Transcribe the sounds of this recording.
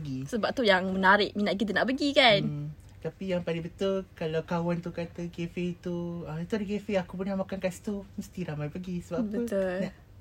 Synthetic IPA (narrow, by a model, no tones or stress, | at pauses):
ɡisəbap̚t̪ujaŋmənaɾɪʔminaʔ̪̚kit̪̬ənaʔpəɡikan | t̪apijaŋpalɪŋbət̪ʊlkalawkawant̪ukat̪əɡefet̪uait̪udəkefeakup̬unamakankast̪uməst̪iɾamajpəɡisəbap̚b̪əʊlnaʔ